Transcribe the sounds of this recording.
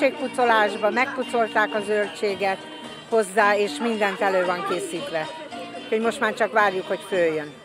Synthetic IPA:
eːk̚put̪so̞laːʒbɒmɛk̚put̪so̞lt̪aːkɒzølt͡ʃeːɡɛt̪ | ho̞zːaːeːʃmind̪ɛnt̪ɛløːvɒŋkeːsiːt̪ʋɛ | ucho̞ɟmo̞ʃt̪maːrt͡ʃɒkʋaːrjukho̞cføːjːøn

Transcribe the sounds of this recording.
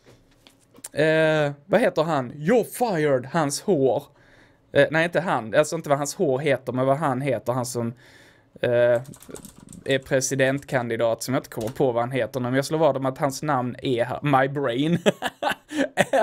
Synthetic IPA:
vaheːt̪əɾɦanjɔfajəɖhanshoːɾ | næɪɪnt̪əɦanalsɔɪnt̪əvaɦanshoːɾɦeːt̪əɾmɛnvaɦanɦeːt̪əɾhansɔm | æɾpʰɾɛsɪd̪ɛnt̪kʰand̪ɪd̪ɑːt̪sɔmjɪnt̪əkʰɔmːəɾpʰɔvahanɦeːt̪əhnːmɛjɑːsloːɾɑːd̪ɔmat̪hansnamnæɦæ̰ɾmajbɾɛɪn

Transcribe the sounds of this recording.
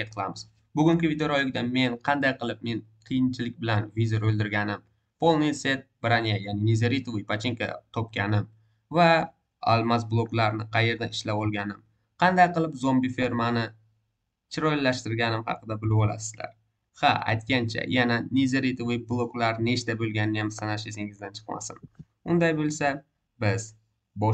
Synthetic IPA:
et̪̚qʰɨlˠamɪz | bʊɡʲʊŋkʲɪvid̪eɾolɪk̚ʲd̪ame̞nqʰɑnd̪ajqɨlˠɪp̚me̞nqʰɨjɪnt͡ʃʰɪlɪkʲbɪlanvizoɾolˠd̪ɪɾɡʲanɪm | pʰo̞lˠnɪjse̞t̪̚b̥ɾanijajanɪnezeɾit̪ovijpʰat͡ʃʰeŋkʰa̰t̪ʰɒp̚kʲanɪm | va | a̰lˠmasblˠoklaɾnɪqʰɑje̞ɾd̪aɪʃlapɒlˠɡʲanɪm | qʰɑnd̪ajqɨlˠɪpzombife̞ɾmanɪ | t͡ʃʰɪɾojlːaʃt̪ɪɾɡʲanɪmhɑ̰qʰɨd̪abɪlɪwɒla̰sɪ̥zla̰ɾ | haa̰jt̪̚kʲant͡ʃʰa̰jananezeɾit̪vɪblˠoklaɾne̞t͡ʃt̪abɵlɡʲanɪjamsanaʃɪsɪŋɪzd̪ant͡ʃʰɨ̥qma̰sɪn | ʊnd̪ajbɵlˠsa | bɪz | bɒ

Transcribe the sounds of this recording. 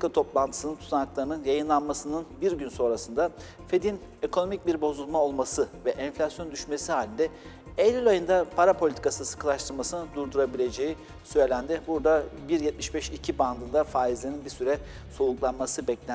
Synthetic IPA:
kʰat̪ʰoplˠant̪ʰɯ̥sɯnɯnt̪ʰu̥t̪ʰanaklˠaɾɯnɯnjajɯnlˠanmasɯnɯnbiɾɟynso̞nɾasɯnd̪a | fe̞d̪in | e̞kʰo̞no̞mic̚biɾbo̞zulˠmao̞lˠmasɯvɛʔɛnflʲasjo̞nd̪yʃme̞sihaːlʲind̪ɛ | elʲilʲajɯnd̪apʰaɾapʰo̞lʲit̪ʰikasɯsɯ̥kʰɯlˠaʃt̪ʰɯɾmasɯnɯd̪uɾd̪uɾabilʲe̞d͡ʒe̞ji | sø̞jlʲænd̪ɪbuɾd̪abiɾjɛt̪̚miʃbɛʃicʰiband̪ɯnd̪afaːizlʲeɾinbisyɾɛ | so̞lˠuklˠanmasɯbɛclʲæ

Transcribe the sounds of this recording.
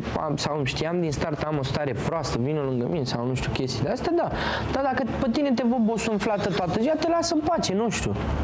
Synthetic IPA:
a̰msawɨmʃt̪ijamd̪inst̪art̪amo̞st̪aɾe̞pɾoast̪əvinolɨŋɡəmine̞sawnuʃt̪ʲjukʲe̞st̪id̪east̪ead̪a | d̪̥ad̪akəpət̪ine̞t̪̬e̞vəbosuɨnflat̪ət̪oat̪əziat̪e̞lasəɨmpat͡ʃe̞nuʃt̪ʲjṵ

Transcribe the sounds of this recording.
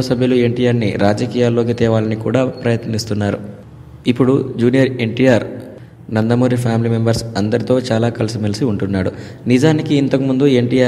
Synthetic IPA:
ɐsɐbʱjulue̞ɳʈiːjaːɾnḭɾaːd͡ʒɐkiːjaːlːo̞ːk̬it̪ɛːʋaːlɐnikṵːɽaːpɾɐjɐt̪nist̪unːaːɾṵ | ipːuɽud͡ʒuːnijɐɾe̞ɳʈijaːɾ | nɐnd̪ɐmoːɾipʰaːmilime̞mbɐɾsɐnd̪ɐɾit̪o̞ːt͡ʃaːlaːkɐlɐsimɐlsiuɳʈunːaːɽṵ | nid͡ʒaːnikiːnt̪ɐkumund̪ue̞ɳʈiːjaː

